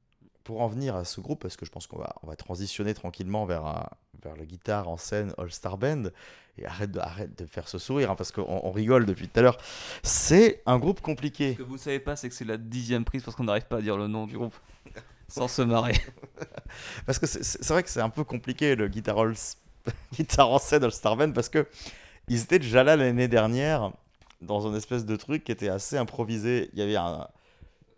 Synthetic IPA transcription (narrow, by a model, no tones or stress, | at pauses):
puʁɑ̃vniʁasəɡʁupːasə̥kəʒəpɑ̃skɔ̰̃va̰ɔ̰̃va̰t̪χɑ̃zisjɔnet̪χɑ̃kʲilmɑ̃vɛʁə̰̃ | vɛ̰ʁlaɡʲit̪aʁɑ̰̃sɛnɔ̰lst̪aʁbɛ̃nd̪ | ḛa̰ʁɛt̪̚d̪əa̰ʁɛt̪̚d̪əfɛʁsəsuʁiʁɛ̃paʁsə̥kəʔɔ̰̃ʔɔ̰̃ʁiɡɔld̪əpɥit̪u̥t̪alœʁsɛɛ̃ɡʁupkɔ̃plikʲekəvunsavepasɛkə̥sɛlad̪izjɛmpχiz̥pasə̥kɔ̃naʁivpaːd̪iʁlənɔ̃d̪yɡʁup | sɑ̃səmaʁe | paʁsəkəsɛ̰sɛsɛvʁɛkə̥sɛt̪ɛ̃pøkɔ̃plikʲeləɡʲit̪aʁɔls | ɡʲit̪ʰaʁɔ̃sɛd̪ɑləst̪aʁmanpaʁsə̥kə | ilzet̪ɛd̪eʒalalned̪ɛʁnjɛʁ | d̪ɑ̃zɛ̃nɛspɛs̬d̪ət̪χykʲːiet̪ɛaseɛ̃pχɔvizeḭljavɛɛ̰̃